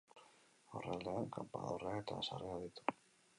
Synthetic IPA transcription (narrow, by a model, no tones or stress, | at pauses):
o̞rald̪eaŋkampa̰ðoreaet̪asa̰reaðit̪u̥